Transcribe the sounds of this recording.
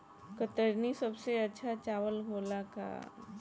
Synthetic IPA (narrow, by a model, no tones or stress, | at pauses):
kət̪əɾniːsəbseət͡ɕʰat͡ɕaʋəlɦolaka̰